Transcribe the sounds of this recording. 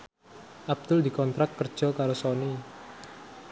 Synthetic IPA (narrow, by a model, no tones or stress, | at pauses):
ʔab̚d̪̥ʊld̪i̤kɔnt̪ɾat̪̚kərd̥ʒ̥ɔ̤kaɾosoni